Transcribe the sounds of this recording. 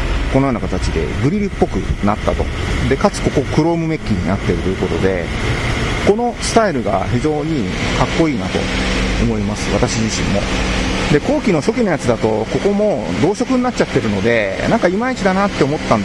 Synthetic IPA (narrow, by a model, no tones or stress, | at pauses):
ko̞no̞joːnakat̪at͡ɕid̪e̞̰ɡɯ̟ɾʲiɾʲipːo̞kɯ̟̰nat̪ːat̪o̞̰d̪e̞kat͡sɨ̥ko̞ko̞kɯ̟ɾo̞ːmɯ̟me̞kʲːiɲ̟inat̪ːe̞ɾɯ̟t̪ojɯ̟ko̞t̪o̞d̪e̞̰ | ko̞no̞sɨ̥t̪aiɾɯ̟ɡa̰çizo̞ːɲ̟ikakːo̞iːnat̪o̞̰omo̞imasɨ̥βat̪aɕiʑiɕḭ̃mːo̞̰d̪e̞ko̞ːkʲino̞ɕo̞kʲino̞jat͡sɨd̪at̪o̞ko̞ko̞mo̞d̪o̞ːɕo̞kɯ̟ɲ̟inat͡ɕːt͡ɕat̪ːe̞ɾɯ̟no̞d̪e̞nãŋkaimait͡ɕid̪anat̪ːe̞omo̞t̪ːãnd̪